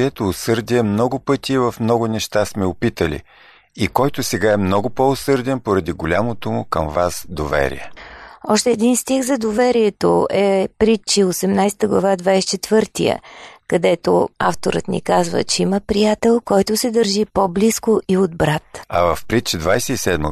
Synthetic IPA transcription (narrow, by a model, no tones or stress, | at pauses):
ɛt̪oːsɤɾd̪iɛmnɔɡʊpɤt̪ʲivəfmnɔɡʊnɛʃt̪asmɛopit̪əlḭ | ikɔjt̪osɛɡaɛmnɔɡʊpɔosɤɾd̪ɛnpoɾɐd̪iɡolʲamot̪omʊkəmvasd̪ovɛ̰ɾḭɛ̰ɔʃt̪ɛːd̪inst̪iɣzɐd̪ovɛɾiɛt̪o̰ɛpɾit͡ʃiosɛmnajsɛ̥t̪əɡlˠɐ̰vad̪vajst͡ʃɛt̪vɤɾt̪ijə̰kɐd̪ɛt̪o̰a̰ft̪oɾə̰t̪nḭkazvə̰t͡ʃɛiməpɾijat̪ɛlˠkɔjt̪ʊsɛd̪əɾʒipobliskoʔiod̪bɾat̪ɐvəfpɾit͡ʃd̪vajsɛisɛd̪mə̰